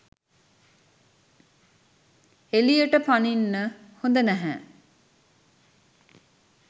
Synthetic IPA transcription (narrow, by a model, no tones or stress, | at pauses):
elijəʈəpaninːəhond̪ənæɦæ̰